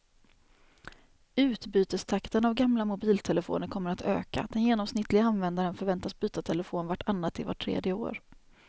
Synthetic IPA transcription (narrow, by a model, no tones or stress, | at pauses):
ʉ̟ːt̪byːt̪əst̪ʰakt̪ənavɡamlamʊbiːlt̪ʰɛləfo̰ːnəɾkʰɔmːəɾat̪ʰø̰ːka̰d̪̥ɛnjeːnɔmsnɪt̪ːlɪɡaanvɛnd̪aɾənfœɾvɛnt̪asbyːt̪at̪ʰɛləfoːnvaʈːʰanːat̪ːɪ̰va̰ʈʰːɾḛːd̪jəo̰ːɾ